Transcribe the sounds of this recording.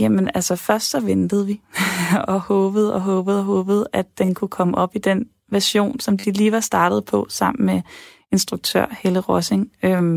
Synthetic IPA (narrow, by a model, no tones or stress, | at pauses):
jemənælsəfɶɐsd̥sɒ̽ʋend̥əð̞̩ˠʋi | ɒ̽hɔ̽ːb̥ð̞̩ˠɒ̽ɦɔ̽ːb̥ð̞̩ˠɒɦɔ̽ːb̥ð̞̩ˠæd̥ːenkʰukʰɒ̽məʔɒ̽b̥id̥en | ʋæɐɕo̝̰ːnsɒ̽md̥iliːʋɑ̈sd̥ɑ̈ːd̥əð̞̩ˠpʰɒ̽sɑ̈m̰n̩me | e̝nsd̥ʁuɡ̥̚t͡sʰø̰ɐ̰heləʁɒseŋø